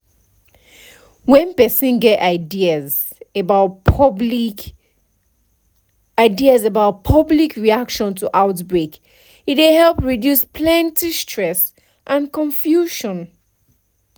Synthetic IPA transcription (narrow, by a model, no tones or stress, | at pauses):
wɛ̃npɛsĩnɡɛtaɪdiəz | ebaʊt | aɪdiazəbaʊt̚pʰʌblikʰɹiakʃɔ̃ntʰuʔaʊtbɹek | itwehɛlpɹidjuspʰlɛ̃ntistʰɹɛs | ʔãnkʰɔ̃ɱfjuʃɔ̃n